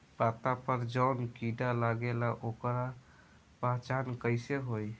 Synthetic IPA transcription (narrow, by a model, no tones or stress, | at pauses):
bat̪apəɾd͡ʒəwnkiɖalaɡelaʔokɾa | paɦt͡ʃankəɪseɦoj